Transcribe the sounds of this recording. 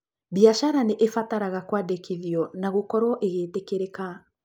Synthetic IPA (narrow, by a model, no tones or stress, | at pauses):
βiaʃaɾaneʔefataɾaɣakwadekiðjɔnaɣokɔɾwɔʔeɣeːtekeɾeka